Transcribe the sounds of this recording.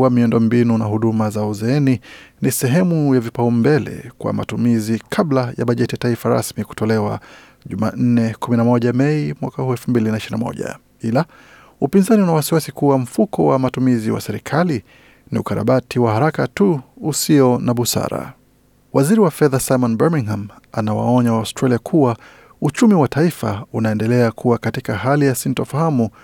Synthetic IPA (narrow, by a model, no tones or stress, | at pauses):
wamiɔndɔmbinunaɦuɗumazauzɛɛninisɛɦɛmujavipaumbɛlɛ̰kwa̰ma̰tumizikʰaɓlaja̰ɓaʄɛtiataifaɾa̰smiku̥tɔlɛwa | ʄuma̰ːn̩nɛkuminamɔʄamɛimwakahuːɛlfumbilinaiʃiɾinamɔ̰ʄa̰ | ila | upinzaniunawasiwasikuwam̩fukʰɔwamatumiziwa̰sɛɾḭkʰali | niukaɾa̰ɓatiwahaɾakatuːsiɔnaɓusa̰ɾa̰ | waziɾiwafɛðasajmɔnbɛmiŋham | anawa̰ɔɲawaʊstɾaliakʰuwa | ut͡ʃumiwataifaunaɛndɛlɛakʰuwakatikahalijasintɔfahamu